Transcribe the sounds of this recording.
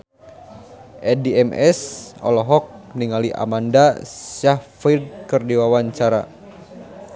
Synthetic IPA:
ʔɛdiɛmɛ̰sɔ̰lɔɦɔk̚niŋaliʔa̰mandasahfid̚kɨrdiwawaɲt͡ʃaɾa

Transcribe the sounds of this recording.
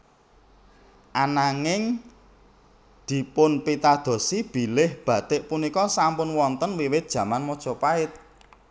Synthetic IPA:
ʔanaŋɪŋ | d̪̥i̤pʊnpit̪ad̪̥o̤sib̥i̤lɪhb̥ä̤t̪ɪʔpunikɔsampʊnwɔnt̪ənwiwɪt̪̚d̥ʒ̥ä̤manmɔd̥ʒ̥ɔ̤paɪt̪̚

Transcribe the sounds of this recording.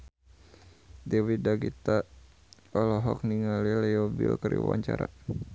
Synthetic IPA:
dɛwidaɡit̪a | ɔlɔɦɔk̚niŋalilɛɔbilkəɾḭwa̰ɲt͡ʃaɾa

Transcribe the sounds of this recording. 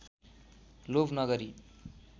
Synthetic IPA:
lobʱnʌɡʌɾi

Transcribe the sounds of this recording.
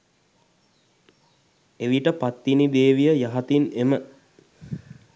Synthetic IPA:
eʋiʈəpat̪ːinid̪eːʋijəjaɦat̪inemə

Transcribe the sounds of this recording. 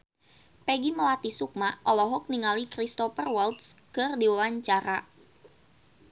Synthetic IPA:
pɛɡiməlat̪isuk̚maʔɔlɔɦɔk̚niŋalikɾist̪ɔfərwalt̪̚skɨrdiwawaɲt͡ʃaɾa

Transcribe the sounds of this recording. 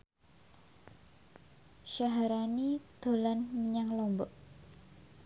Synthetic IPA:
ʃaɦaɾanid̪̥o̤lanməɲaŋlɔmbɔʔ

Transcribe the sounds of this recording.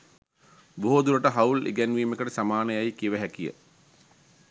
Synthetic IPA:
boɦod̪uɾəʈəɦɐwlḭɡænʋiːmekəʈəsamaːnəjajkiʋəɦækijə̰

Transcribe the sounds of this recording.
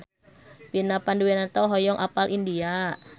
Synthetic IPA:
pinapanduwɛnat̪ɔɦɔjɔŋʔapalʔindia

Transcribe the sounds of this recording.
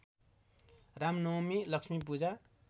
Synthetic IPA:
ramnʌmilʌksmip̬ud͡za

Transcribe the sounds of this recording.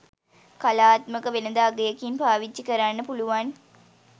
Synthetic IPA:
kalaːt̪məkəʋenəd̪aːɡejəkinpaːʋid͡ʒikəɾanːəpuluʋan

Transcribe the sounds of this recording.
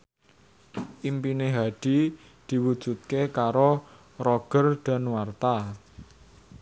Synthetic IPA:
ʔimpineɦaɖ̥i̤ | d̪̥i̤wud̥ʒ̥ṳt̪̚kekaɾo | rɔɡ̥ərɖ̪̥a̤nwart̪a

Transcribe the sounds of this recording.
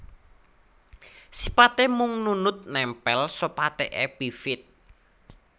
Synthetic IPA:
si̥pat̪emʊŋnunʊt̪̚nɛmpɛlsopat̪eʔeb̥ifɪt̪̚

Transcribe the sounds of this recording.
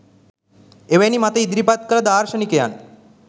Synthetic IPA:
eʋenimat̪əid̪ɾipat̪kələd̪aːɾʃənikeja̰n

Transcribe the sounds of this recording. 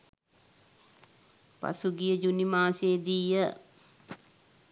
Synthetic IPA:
pa̰suɡijəd͡ʒunimaːseːd̪iːjə

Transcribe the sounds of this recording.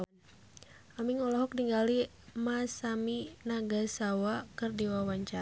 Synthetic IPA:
amiŋɔlɔɦɔk̚niŋɡali | masaminaɡasawakɨrdiwawaɲt͡ʃa

